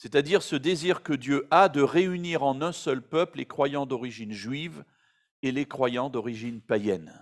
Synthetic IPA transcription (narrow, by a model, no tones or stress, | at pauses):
sɛt̪ad̪iʁsəd̪eziʁkəd̪jøʔad̪əʁeyniʁɑ̃nɛ̃sœlpœpllekχwajɑ̃d̪ɔʁiʒinʒɥiv | elekχwajɑ̃d̪ɔʁiʒinpajɛn